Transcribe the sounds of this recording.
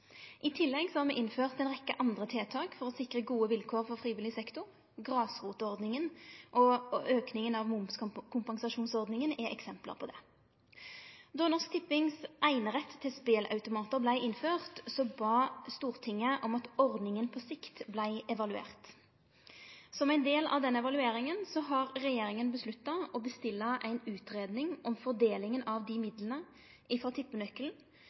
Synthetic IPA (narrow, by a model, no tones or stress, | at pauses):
ʔɪt̪ʰɪlːɛɡsɔhɑːʁmɛʔɪnføːʁt̪ɛnʁɛkːəʔɑnd̪ʁət̪ʰeːt̪ʰɑːkfɔʁɔsɪkʁəɡuːəʋɪlkʰoːʁfɔʁfʁiːʋɪlɪsɛkt̪ʊ | ɡʁɑːsʁuːt̪əɔʁd̪nɪŋənʔɔøːknɪŋənɑʋmʊmskʰʊmpɑŋsɑʃuːnsɔʁd̪nɪŋənɛʔɛksɛmplə̰ʁpʰɔd̪ɛ | d̪ɔnɔst̪ʰɪpːɪŋsʔæɪnəʁɛt̪ʰːɪlspeːlʔɑ̰ʉt̪ʊmɑːt̪əʁblæɪʔɪnføːʁt̪sɔbɑːst̪uːʁt̪ʰɪŋːəʔɔmɑt̪ɔʁd̪nɪŋənpʰɔsɪkt̪blæɪɛʋɑlʉḛːʁt̪ | sɔmæɪnd̪eːlɑ̰ʋd̪ɛnːəɛʋɑlʉeːɾɪŋənsɔɦɑɾːɛjeːɾɪŋənbəslʉt̪ːɑɔbəst̪ɪlːɑʔæɪnʉːt̪ɾeːd̪nɪŋʔɔmfɔʁd̪eːlɪŋənɑʋd̪imɪd̪lənə | ɪfɾɑt̪ʰɪpːənœkːln̩